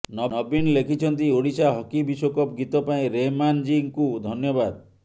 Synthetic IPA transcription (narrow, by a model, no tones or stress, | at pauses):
nɔnɔbinlekʰit͡ʃʰɔnt̪ioɽisaɦɔkibisokɔpɡit̪ɔpaĩɾemand͡ʒiŋkud̪ʱɔnjɔbad̪